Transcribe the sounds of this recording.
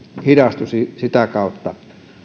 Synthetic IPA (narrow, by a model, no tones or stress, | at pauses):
hidɑst̪usisit̪ækɑˑot̪ːɑ